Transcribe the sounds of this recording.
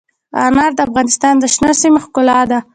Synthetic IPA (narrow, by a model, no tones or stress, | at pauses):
ɑ̰nɑɾd̪əafɣɑnɪst̪ɑnd̪əʃnasimaxkʊlɑd̪a